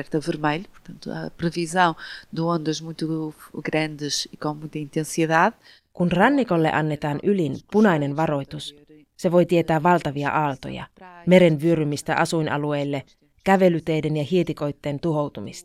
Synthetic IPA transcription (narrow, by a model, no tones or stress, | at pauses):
ɛɾt̪ɐvɨɾmeʎupu̥ɾt̪ɐ̃nt̪uɐ̰pɾɨvizɐ̃w̃d̪ɨõnd̪ɐʒmũj̃t̪uɡɾɐ̃nd̪ɨʃikõmũj̃t̪ɐĩnt̪ẽsiðað | kunrɑnːiko̞lːe̞̰ʔɑnːe̞t̪ɑːnʔylinpunɑjne̞nʋɑɾo̞jt̪us | se̞ʋo̞jt̪ie̞t̪æːɑlt̪ɑʋiɑ̰ʔɑːlt̪o̰jɑ̰me̞ɾe̞nʋyøɾymist̪æ̰ʔɑsujnʔɑ̰lue̞jlːe̞ | kæʋe̞lyt̪e̞jde̞njɑhiet̪iko̞jt̪ːe̞ːnt̪uɦo̞wt̪umist̪ɑ̥